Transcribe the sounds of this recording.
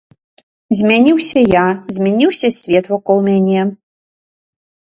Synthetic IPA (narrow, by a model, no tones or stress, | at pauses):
zʲmʲɛnʲiwsʲɐjazʲmʲɛnʲiwsʲɐsʲvʲɛt̪vɔkɔlˠmʲanʲɛ